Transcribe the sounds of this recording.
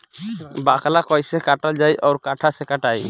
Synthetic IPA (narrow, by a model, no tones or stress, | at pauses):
bakalakɔjsɛkaʈald͡ʒajʔɔwɾkaʈʰasɛkaʈaj